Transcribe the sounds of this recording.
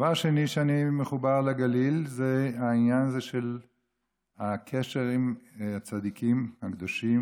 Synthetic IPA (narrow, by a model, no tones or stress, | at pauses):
vaʁʃeniʃeanimeχubaʁleɡalilzeainjanazeʃel | akʰeʃe̞ʁimat͡sad̪ikʰimhakd̪oʃim